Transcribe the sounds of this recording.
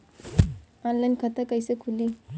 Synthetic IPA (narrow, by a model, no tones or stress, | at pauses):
ɔnlajnkʰat̪akajsəkʰuli